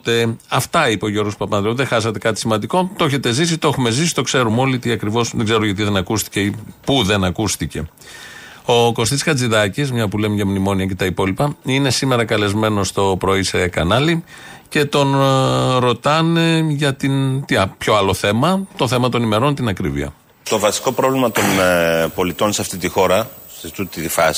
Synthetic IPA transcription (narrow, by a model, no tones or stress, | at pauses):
t̪eɐft̪ɐipeoʝo̞ɾɣospɐpɐnd̪ɾeuðexɐsɐt̪e̞kɐt̪i̥simɐnd̪iko̞t̪oçe̞t̪e̞zis̬it̪oexume̞zisi̥t̪o̞kse̞ɾumo̞lit̪iɐkɾivo̞sðɡze̞ɾoʝɐt̪iðe̞nɐkust̪i̥ceipuðe̞nɐkust̪ice̞ | o̞ko̞st̪iskɐt͡siðɐcismɲɐpule̞mʝɐmnimo̞niɐce̞t̪ɐipo̞lipɐine̞sime̞ɾɐkɐle̞zme̞no̞st̪o̞pɾoisekɐnɐli | ce̞t̪o̞nɾo̞t̪ɐneʝɐt̪int̪ipço̞ɐloθe̞mɐt̪o̞θe̞mɐt̪o̞nime̞ɾo̞nt̪inɐkɾivḭɐ̰ | t̪o̞vɐsi̥ko̞pɾo̞vlimɐt̪o̞npo̞lit̪o̞nseɐft̪it̪ixo̞ɾɐst̪ut̪it̪ifɐsi̥